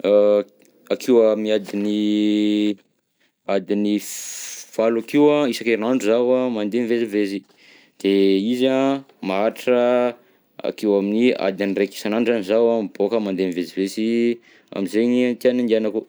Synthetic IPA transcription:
akʰiwamiad̪ini | ad̪ini | v̥alakiwaisakenaɳɖ͡ʐuzawamand̪enivezivezi | d̪̥eiza | maaʈ͡ʂə | a̰kewaminia̰d̪inireki̥sanaɳɖ͡ʐanizawamb̥okəmand̪enivezivezi | a̰mizeɲint̪ianind̪ianaku

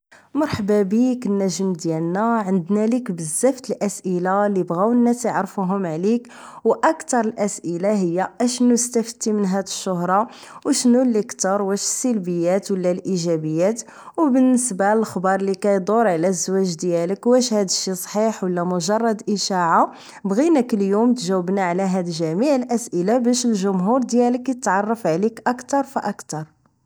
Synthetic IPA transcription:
mɑɾˤħbæbiknːæʒəmd̪jælnæʕənd̪nælikbəzːæft̪əlʔæsʔəlalibɣæwənːæt̪əʕɾfuɦʊmʕlik | wʔɑkt̪ɑɾˤəlʔæsʔəlaɦəjːæʔæʃnust̪æft̪ːimənɦæd̪əʃːʊɦɾˤɑ | wʃnulːəkt̪əɾˤwæʃə̥sːəlbəjːæt̪wəlːælʔiʒæbəjːæt̪ | wbənːəsbaəlxbɑɾˤlikæjd̪ˤoɾˤʕlæzːwæʒd̪jæləkwæʃhæd̪əʃisˤħiħwəlːæmʊʒɑrˤːɑd̪ʔəʃɑʕa | bɣinəkəljumt̪ʒæwəbnaʕlæɦæd̪əlʒæmiʕəlʔæsʔəlabæʃəlʒʊmɦuɾd̪jæləkjət̪ʕɑrˤːɑfʕlikʔɑkt̪ɑɾˤfiʔɑkt̪ɑɾˤ

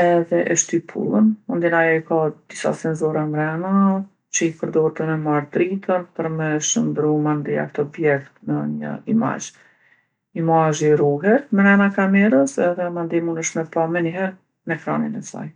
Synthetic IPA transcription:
ɛðɛʔəʃt̪ipʰṵlˠənmund̪inajɔikad̪̥isa̰sɛnzɔɾɛmɾɛna | t͡ɕəipəɾd̪ɔɾt̪əmɛmaɾt̪ɾit̪ʰənpəɾmɛʃəmd̪ɾumand̪ia̰kt̪ɔbjɛkt̪nəɲə̰ima̰d͡ʒ | imaʒiɾuɦɛt̪mɛɾɛnakamɛɾəsɛðɛmand̪imunəʃmɛpamɛniɦɛɾ | nɛkɾa̰ninɛsa̰j

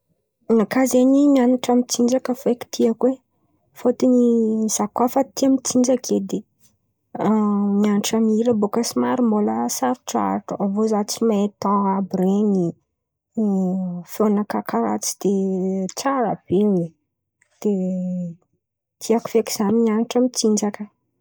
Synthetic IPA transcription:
nakazeɲinaniʈ͡ʂamit͡sind͡ʒakəfeki̥t̪ʰiakwe | fot̪iniz̥akwafat̪iamit͡sind͡ʒakʰed̪i | mianʈ͡ʂamiɾəbokəsimaɾimboləsaɾuʈ͡ʂa̰ʈ͡ʂuavozat͡simet̪aabɾeni | fionakakaɾa̰t͡si̥d̪̥et͡saɾa̰b̥ewe | d̪̥e | t̪ʰiaku̥feki̥z̥animianiʈ͡ʂamit͡sind͡ʒakə

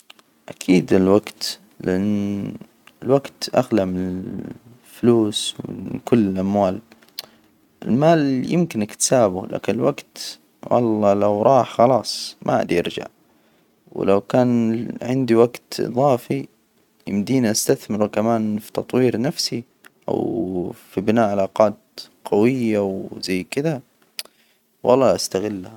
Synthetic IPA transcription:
ʔakʰiːd̪ɪlwaɡt̪ | lɪʔanː | ɪlwaɡt̪ʔa̰ɣlamɪnɪ | fluːswɪ̰kʊlːɪlʔamwaːl | ʔɪ̰lmaːljɪmkɪnʔakt̪saːbʊlʔa̰ːkɪnɪlwaɡt̪ | wɑ̰lˤːɑːlawɾˤɑːħxɑlɑːsˤmʔaʔa̰d̪iʔɑ̰ɾd͡ʒa̰ʕ | wɪ̰lawkaːnʕɪnd̪iwaɡt̪ʔɨ̰ðˤɑːfi | jɪ̰md̪iːniʔast̪aθmɪɾkamaːnfi̥t̪ɑt̪ˤwiːɾnafsi | ʔa̰wfibɪnaːʕalaːqɑːt̪qɑwɪjːawzajːkɪd̪a | wɑ̰lˤːɑːʔast̪aɣɪlːaha

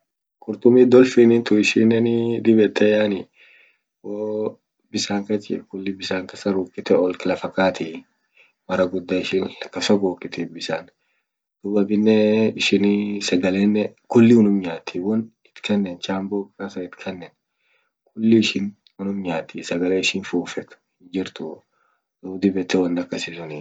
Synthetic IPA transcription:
kʼʊɾt̪ʊmiːd̪ɔlfinint̪ʊɪʃɪnːɛnɪd̪ɪbɛt̪ʰːɛjaːnɪ | woː | bɪsaːŋkɐt͡ʃɛ̰kʊlːɪbɪsaːŋkɐsɐɾuːkʼːɪt̪ɛɔlkɪlɐfɐkaːt̪ɪ | mɐɾɐɡʊd̪ːaɪʃɪnɐkːɐsɔɡoːkʼːɪt̪ɪbɪsaːn | d̪̥ʊbɐbɪnːɛɪʃɪnisɐɡɐleːnːɛkʊlːɪwʊnʊmɲaːt̪ʰːiwɔnɪt̪kʰɐnːɛnt͡ʃaːmboːkkɐsɐɪt̪kʰɐnːɛn | k̚ʰʼʊlːɪʃɪn | wʊnʊmɲaːt̪ːisɐɡɐleːɪʃɪnfuːfɛt̪ʊ̥hɪd͡ʒɪɾt̪ʊ | d̪ud̪ɪbɛt̪ːɛwɐnd̪ɐkːɐsɪsʊni

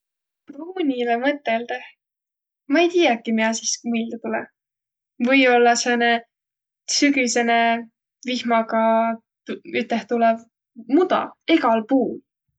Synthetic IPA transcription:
pruːnʲilemɤt̪ːˑeld̪eh | mɑejt̪ijɑkːˑimiɑsismild̪ɑt̪ulɛ | vɤjo̞lːɑsene | syɡisene | vihmɑkɑ | yt̪ːˑeht̪ulɛv | mud̪̥ɑ̰e̞ɡɑlpuːl

